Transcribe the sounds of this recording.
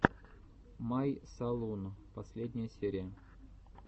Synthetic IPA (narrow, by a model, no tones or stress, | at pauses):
majsɐlˠunpɐsʲlʲedʲnʲɪjəsʲeɾʲɪjə